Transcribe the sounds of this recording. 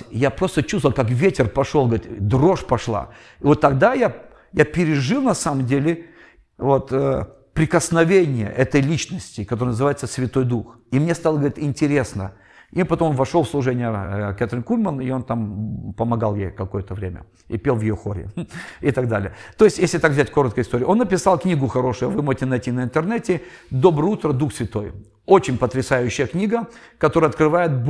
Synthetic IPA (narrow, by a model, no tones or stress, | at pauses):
japɾo̞st̪ət͡ɕust̪vəlˠkakvʲetʲɪrpɐʂolˠɡəvəɾʲit̪d̪ro̞ʂpɐʂlˠa̰ | ɪvot̪ːɐɡd̪aja | japʲɪɾʲɪʐɨlˠnɐsaməmdʲelʲɪ | vo̞t̪ə | pɾʲɪkəsnɐvʲenʲɪjə̰ʔɛt̪əjlʲit͡ɕnəsʲtʲɪkɐt̪oəjnəzɨvajɪt̪səsvʲɪt̪o̞jd̪ux | imnʲest̪alˠəɡəɐɾʲit̪ɪnʲtʲɪɾʲe̞snə̰ | ipɐt̪omonvɐʂolˠfslˠʊʐɛnʲɪjəkʲat̪ɾʲɪnkulʲmənɪo̞nt̪ampəmɐɡalˠjejkɐko̞jət̪əvɾʲemʲə̰ | ḭpʲelˠvjɪjoxoɾʲɪ̰ɪt̪aɡ̚d̪alʲɪ̰jət̪oɪsʲtʲjesʲlʲɪt̪akvzʲætʲko̞ɾət̪̚kəjɪst̪o̞ɾʲɪːʔo̞nːəpʲɪsɑlˠknʲiɡʊxɐɾo̞ʂʊjʊvɨmoʐɪtʲɪnɐjtʲinəɪnt̪ɨrnɛtʲɪd̪o̞bɾəjut̪ɾəd̪uxsʲvʲɪt̪o̞j | ot͡ɕɪnʲpət̪ɾʲɪsajʉɕːɪjəknʲiɡəkɐt̪o̞ɾəɐt̪kɾɨvajɪt̪̚b